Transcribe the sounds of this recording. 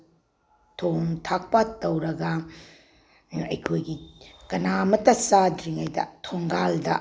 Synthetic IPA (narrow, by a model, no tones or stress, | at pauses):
tʰoŋtʰak̚pɐtɐwɾɐɡɐ | ɐjkʰojɡikɐnamɐtɐsadɾiŋɐjdɐ̰tʰoŋɡaldɐ